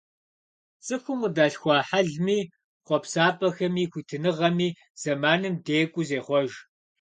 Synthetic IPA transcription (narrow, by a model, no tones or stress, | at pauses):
sʼɨxʷʊmədaːɬxʷɑːħaɮmiː | χʷɔpsaːpʼɐxɐmiːxʷiːtʰɨnɨʁɐmiː | z̥ɐmaːnɨmdeːkʷʼʊzeːχʷɔʒ